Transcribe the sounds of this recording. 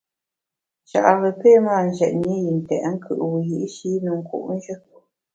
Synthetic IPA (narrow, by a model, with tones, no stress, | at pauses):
ʃa̰˨ʔɣə˨pe˦˨maː˦˨n˨ʒɛ˨ʔni˦ji˨n˨tɛ̰˨ʔŋ̩˦kʰɯ̰˨ʔwu˨ji˨ʔʃi˨˦nu˨ŋ̩˨kṵ˨ʔn̩˦ʒə˦